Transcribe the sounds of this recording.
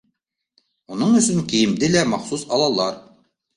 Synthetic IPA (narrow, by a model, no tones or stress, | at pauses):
unɤɴɵ̆sɵŋkĭjɘ̆md̪ɘlæmɑχsusɑlˠɑlˠɑɾ